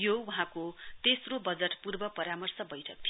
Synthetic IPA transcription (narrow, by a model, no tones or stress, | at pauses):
jowaɦãkot̪esrobʌd͡zʌʈpurbʌpʌɾamʌrsʌbʌjʈʰʌk̚t̪ʰj